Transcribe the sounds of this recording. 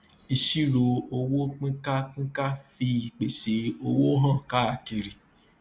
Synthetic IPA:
i˧ʃi˦ɾo˧o˧wo˦k͡pĩ˦ka˦k͡pĩ˦ka˦fi˧i˨k͡pe˨se˨˦o˧wo˦ɦã˦˨ka˦a˧˨ki˧ɾi˨

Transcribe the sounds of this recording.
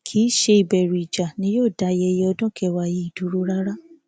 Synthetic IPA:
kʰi˦ʃe˧i˨bɛ˨ɾu˨i˨d͡ʒa˨nĩ˦joː˦˨da˨˧jɛ˧je˧ɔ˧dɔ̃˦kʰɛ˧˦wa˧˨ji˧˦i˦˨du˨˦ɾu˦ɾa˦ɾa˦

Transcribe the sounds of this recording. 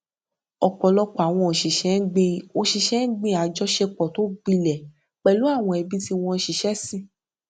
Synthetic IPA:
ɔ˨k͡pɔ˨lɔ˧k͡pɔ˨a˨w̃ɔ̃˧o˨ʃi˨ʃɛ̃˨˦ɡ͡bẽ˧˨o˧ʃi˧ʃɛ̃˨˦ɡ͡bẽ˦˨a˨d͡ʒɔ˦ʃe˧k͡pɔ˨to˦ɡ͡bĩ˧lɛ˨ | k͡pɛ˧lu˨˦a˦˨w̃ɔ̃˧ɛ˧bi˦ti˦w̃ɔ̃˧˦ʃi˨ʃɛ˦sĩ˦˨

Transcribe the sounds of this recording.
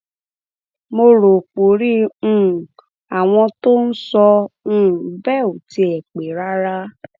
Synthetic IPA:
mo˧ɾo˨k͡po˨ɾĩ˦˨ | a˨w̃ɔ̃˧to˦n̩˦sɔ̃˧˦˨ | bɛ˦˨o˨ti˧ɛ˨k͡pe˨ɾa˦ɾa˦

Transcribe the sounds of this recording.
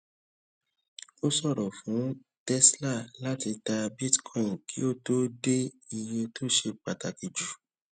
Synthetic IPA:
o˦sɔ˦˨ɾɔ˨fũ˨˦ | tɛ˦sla˦˨la˦ti˧ta˧bi˦tkʰɔ̃˦˨ki˦o˦˨to˦de˦ | i˧je˧to˦˨ʃe˧k͡pa˨ta˨ki˨d͡ʒu˨

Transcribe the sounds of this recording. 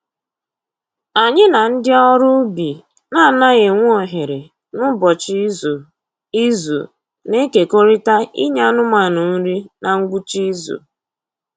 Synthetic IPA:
a˨ɲɪ˦na˨n̩˦dɪ˦ɔ˦ɾʊ˦bi˨ | na˦˨na˦ɣe˨ŋʷ˦o˨ɦe˨ɾe˨ | nʊ˦bɔ˨t͡ʃi˦zo˨ | i˦zo̰˨ | ne˦ke˨ko˦ɾi˦ta˦ḭ˦ɲa˦nʊ˦ma˨nʊ˨n̩˦ɾi˦na˨ŋ̩˦ɡu˦t͡ʃi˦zo̰˨

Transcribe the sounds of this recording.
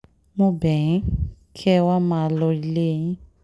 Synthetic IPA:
mõ˦bɛ̃˨˦kʰɛ˦wa˦mã˦˧˨lɔ˧i˧le˦˨ĩ˦

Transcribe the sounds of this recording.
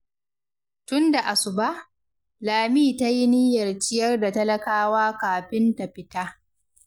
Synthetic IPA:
tʊ˦nda˨ʔa˨sʊ˨ba˦ʔ | laː˨miː˦˨ta˦ji˦nɪ˦jɐ˨rt͡ʃɪ˦jɐ˦rda˨tɐ˦lɐ˦kaː˦waː˦kaː˨ɸɪ˦nta˨ɸɪ˦taː˦

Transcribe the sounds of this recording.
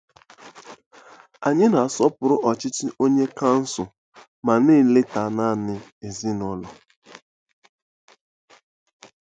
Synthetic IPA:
a˨ɲɪ˦na˨a˨sɔ˦pʊ˨ɾʊ˦ʔɔ˨t͡ʃɪ˦tɪ˦ʔo˦ɲe˦ka˦n̩˦sʊ˨ | ma˨ni˦˨lɪ˦ta˨na˦˨nɪ˨e˨zi˦nɔ˦lɔ˨

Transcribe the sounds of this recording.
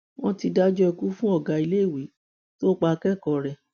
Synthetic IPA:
w̃ɔ̃˦ti˧da˦d͡ʒɔ˦ɛ˧ku˦fũ˦ɔ˦˨ɡa˨i˧le˦˨wi˨˦ | to˦k͡pa˧kɛ˦˨kɔ˨ɾɛ˨

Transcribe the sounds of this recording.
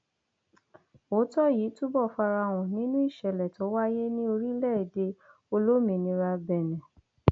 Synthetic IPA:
o˨˦tɔ˦ji˨˦tu˦bɔ˦˨fa˧ɾa˧w̃ɔ̃˨nĩ˦nũ˦i˦˨ʃɛ˨lɛ˨to˨˦wa˦je˦nĩ˦o˧ɾi˦lɛ˦˨de˧ | o˧lo˦mĩ˧nĩ˧ɾa˧bɛ˨nɛ̃˨

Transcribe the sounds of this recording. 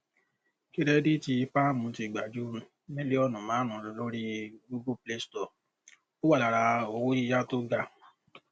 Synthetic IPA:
ki˦ɾɛ˦di˦ti˧pa˦mũ˧˦ti˧˨ɡ͡ba˨d͡ʒu˨˦ɾũ˧ | mẽ˦le˦ɔ˦˧nũ˨mãː˨˦ɾ̃ũ˨˦llo˦ɾi˦ɡu˦ɡu˦ple˦stɔ˦˨ | o˦wa˦˨la˨ɾa˧o˧wo˦i˧ja˦to˦ɡa˧˨

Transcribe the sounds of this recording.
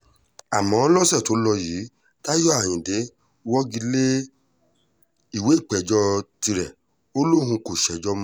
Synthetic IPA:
a˨mɔ̃˨˦lɔ˦sɛ˦˨to˨˦lɔ˧jiː˨˦ | ta˦jɔ˦a˦˨j̃ĩ˨de˨˦ | wɔ˦ɡi˧˦le˦ | i˦˨we˨˦i˦˨k͡pɛ˨d͡ʒɔ˧˦ti˧ɾɛ˨ | o˦lo˦hũ˧ko˨ʃɛ˨d͡ʒɔ˧˦mɔ̃˧˦

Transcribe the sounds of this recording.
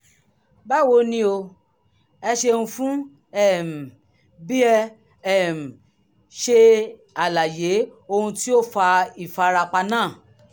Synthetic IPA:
ba˦˨wo˧nĩ˧˦o˧ | ɛ˧ʃe˧hũ˧fũ˦ | ɛ˦˨m̩˨ | bi˦ɛ˧ | ɛ˦˨m̩˨ | ʃe˧ | a˨la˨je˨˦o˧hũ˧ti˦o˦˨fa˧i˨fa˧ɾa˧k͡pa˧nãː˦˨

